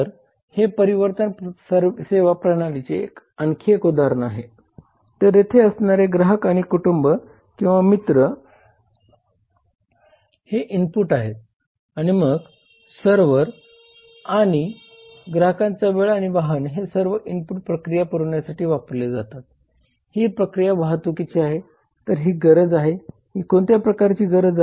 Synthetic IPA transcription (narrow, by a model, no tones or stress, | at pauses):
əɾ | hepəɾiʋəɾt̪ənsəɾseʋapɾənalit͡sḛːk | ənkʰekud̪aɾnaɦe | t̪əɾjet̪ʰeəsnaɾeɡɾaɦəkaɽ̃ikuʈumbə | kĩw̃ʋamit̪ɾə | heʔimpuːʈaɦet̪̚ | aɽ̃iməɡ | səɾʋəɾ | aɽ̃i | ɡɾaɦəkãnt͡saʋeɭaɽ̃iʋaɦənɦesəɾʋəʔimpuʈ̚pɾəkɾijapəɾuɳjasaʈiːʋapɾled͡zat̪at̪̚ | hipɾəkɾijaʋaɦət̪ʋəkit͡ɕiaɦe | t̪əɾɦiɡəɾəd͡zaɦe | hikont̪japɾəkaɾt͡ɕiːɡəɾəd͡z